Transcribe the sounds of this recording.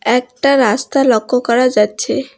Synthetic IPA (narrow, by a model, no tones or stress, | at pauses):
ɛk̚ʈaɾast̪alɔkʰːokɔɾad͡ʑatːɕʰe